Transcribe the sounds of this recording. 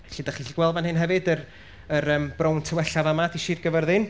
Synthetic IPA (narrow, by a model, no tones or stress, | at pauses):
ɬidaχiɬiɡ̥wɛlˠvanhɨnɦɛvɨdər | əɾəːmbrowntʰəwɛɬavamadiʃiːrɡəvɛrðɨn